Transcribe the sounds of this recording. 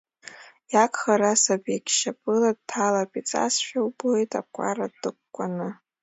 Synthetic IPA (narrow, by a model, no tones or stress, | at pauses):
jakʰʼχaɾasabʼakʲʃapʼɨlad̚tʰalapʼit͡sʼa̰sʃᶣawbojtʼa̰p̚kʷʼa̰radɨkʷkʷʼːanɨ